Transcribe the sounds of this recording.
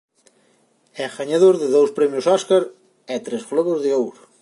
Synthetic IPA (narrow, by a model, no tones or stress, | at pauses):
ɛɣaɲaðoɾðeðowspɾɛmjʊsɔskaɾ | ɛt̪ɾezɣloβozðeowɾʊ